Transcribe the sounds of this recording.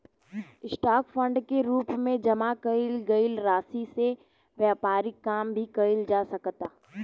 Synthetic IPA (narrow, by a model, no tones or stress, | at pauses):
ɪsʈaːkfə̃ɳɖkeɾuːpmẽd͡ʒɐmakɐɪlɡɐɪlɾaːsise | ʋjaːpaːɾɪkːaːmbʱikɐɪld͡ʒaːsɐkt̪aː